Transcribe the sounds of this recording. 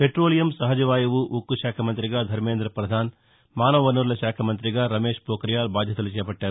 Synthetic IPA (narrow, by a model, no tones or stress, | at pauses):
peʈɾoːlijɐmsɐɦɐd͡ʒɐʋaːjɐʋuʔukːuʃaːkʰɐmɐnt̪ɾiɡaːd̪ʱɐɾmeːnd̪ɾɐpɾɐd̪ʱaːn | maːnɐʋʋɐnuɾulɐʃaːkʰɐmɐnt̪̬ɾiɡaːɾɐmeːʃpoːkɾjaːlbaːd̪ʱjɐt̪ɐlut͡ʃɛːjɐpɐʈːaːɾu